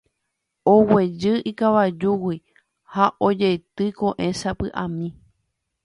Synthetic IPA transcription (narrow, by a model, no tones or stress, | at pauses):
owed͡ʒɨʔikaʋad͡ʒuwi | haʔod͡ʒejt̪ɨkõʔẽ̞sapɨʔã̰mĩ